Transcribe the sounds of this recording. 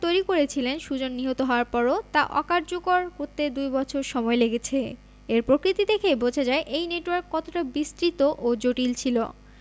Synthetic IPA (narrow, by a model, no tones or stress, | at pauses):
t̪ojɾikoɾet͡ɕʰilenʃud͡ʑonːiɦot̪oɦɔoaɾpɔɾot̪a̰ʔɔ̰kaɾd͡ʑokoɾkoɾt̪ed̪ujbɔt͡ɕʰoɾʃɔmɔeleɡet͡ɕʰe | eɾpɾokɾit̪id̪ekʰebod͡ʑʱad͡ʑaeʔejneʈowaɾkːɔt̪oʈabist̪ɾit̪oʔod͡ʑoʈilt͡ɕʰilo̰